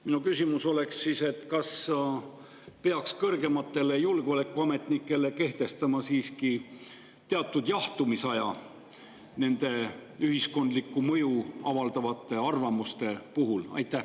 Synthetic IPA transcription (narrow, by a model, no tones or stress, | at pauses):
minukysʲimuso̞le̞ksːiːse̞t̪kɑs | pe̞ɑkskɤrɡe̞mɑt̪ːe̞le̞julɡ̥eole̞kːˑuɑme̞t̪nikːˑe̞le̞ke̞ht̪e̞st̪ɑmɑsiːski | t̪e̞ɑt̪ːˑud̪̥jɑht̪umisɑjɑ | ne̞nd̪̥e̞yɦisko̞nd̪likːˑumɤjuɑvɑld̪̥ɑvɑt̪ːˑe̞ɑrvɑmust̪e̞puɦulɑ̰jt̪ˑːæh